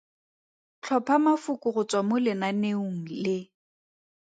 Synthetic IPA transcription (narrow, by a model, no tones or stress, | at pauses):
t͡ɬʰɔpʰamafʊkʼʊrʊt͡swamʊlɪnaneuŋ̩lɪ